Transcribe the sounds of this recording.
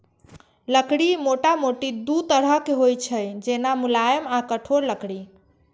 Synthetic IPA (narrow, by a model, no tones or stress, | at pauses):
ləkɽimoʈamoʈid̪ut̪əɽ̤əɦkeɦojt͡ʃʰəjd͡ʒenamulajəmakəʈʰoɾləkɽi